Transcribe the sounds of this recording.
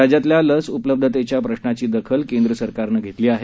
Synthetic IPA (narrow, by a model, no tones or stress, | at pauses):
ad͡ʑat̪ljaləsupləb̚d̪ʱət̪et͡ɕjapɾəɕnat͡ɕiːd̪əkʰəlkẽnd̪ɾəsəɾkaɾnəːɡʱet̪liːaɦe